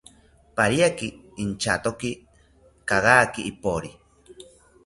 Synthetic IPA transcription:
paɾiakiː | nt͡ʃat̪oki | kaɣaːkiːpoɾi

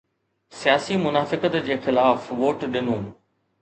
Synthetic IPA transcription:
sijaːsimʊnaːfɪkət̪d͡ʑeːxɪlaːfʋoːʈɗɪnũː

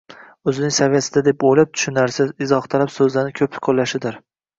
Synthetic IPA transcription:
ɵzɪnɪŋsavɪjasɪd̪ad̪epojlap̚t̪ʰʊ̥ʃɪnaɾsɪzɪzɒχt̪ʰalapsɵzlaɾnɪkʲʰɵpɪ̥kʰolːaʃɪd̪ɪɾ

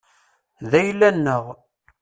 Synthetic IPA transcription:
ðæjlːænːəʁ

